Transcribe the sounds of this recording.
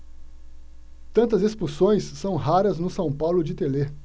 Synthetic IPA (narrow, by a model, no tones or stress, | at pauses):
t̪ɐ̃nt̪ɐzespusõj̃sːɐ̃w̃ɦaɾɐznʊsɐ̃w̃pawlʊd͡ʒɪt̪ele